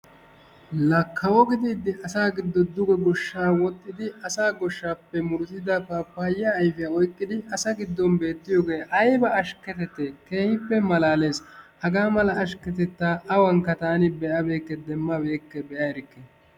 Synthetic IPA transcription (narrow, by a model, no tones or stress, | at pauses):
lɐkʰːɐwɔɡɪd̪iːd̪ɪʔɐsaːɡɪd̪ːɔd̪ʊɡɛɡɔʃːaːwɔt̪ʼːɪd̪ɪɐsaːɡɔʃːaːpːɛmʊɾʊzɪd̪ɐpapːaːjːɐːjfɪjaɔjkʼːɪd̪ɪʔɐsɐɡɪd̪ːɔnbe̞ːt̪ːɪjoːɡe̞ːʔɐjbɐɐʃkːɛt̪ɛt̪ːɛke̞ːhɪpːɛmɐlaːle̞ːshɐɡaːmɐlɐɐʃkɛt̪ɛt̪ːaʔɐwɐŋkːɐt̪aːnɪbɛʔɐbe̞ːkːɛd̪ɛmːɐbe̞ːkːɛbɛʔɐɛɾɪkːe